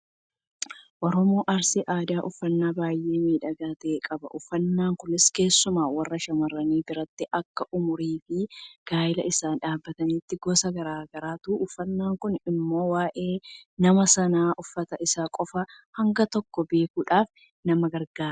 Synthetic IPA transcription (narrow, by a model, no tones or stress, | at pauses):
ʔɔɾɔmoːʔɐɾsɪʔaːd̪aːʔʊfːɐnːaːbaːjʔe̞ːmiːᶑɐɡaːt̪eːkʼɐbɐ̰ʔʊfːɐnːaːŋkʊnɪske̞ːsːʊmaːwɐrːɐʃɐmɐrːɐniːbɪɾɐt̪ːɪʔɐkːɐʔʊmʊɾiːfɪɡ̥aːjɪlɐ̰ʔɪsaːᶑaːbːɐt̪ɐniːt̪ːɪɡɔːsɐɡɐɾaːɡɐɾaːt̪uːʔʊfːɐnːaːŋkʊnɪmːo̞ːwaːʔe̞ːnɐmɐsɐnaːʔʊfːɐt̪ɐʔɪsaːkʼɔfɐhɐŋɡɐt̪ɔkːɔbe̞ːkuːᶑaːf | nɐmɐɡɐɾɡaːɾ